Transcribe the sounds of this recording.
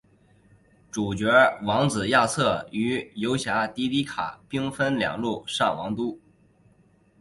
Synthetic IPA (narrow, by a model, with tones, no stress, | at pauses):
ʈ͡ʂu˨˩t͡ɕɥɛ˧˥wɑ˧˥ŋt͡sɹ̩˨˩ja˥˧t͡sʰɤ˥˩y˧˥jo˧˥ʊɕja˧˥t̪i˧˥t̪i˧˥kʰa̰˨˩pi˥ŋfə˥nljɑ̰˨˩ŋlu˥˩ʂɑ˥˩ŋwɑ˧˥ŋt̪u˥